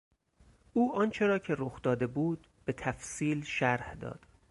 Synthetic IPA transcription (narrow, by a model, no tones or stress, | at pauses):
ʔuːʔɒːnt͡ʃʰe̞ɾɒːcʰe̞ɾoxd̪̥ɒːd̪e̞buːd̪̥ | be̞t̪ʰæfsiːlʃæɾhd̪ɒ̰ːd̪̥